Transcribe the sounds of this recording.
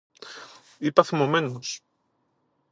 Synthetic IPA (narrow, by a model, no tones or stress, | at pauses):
ipɐθimo̞me̞nos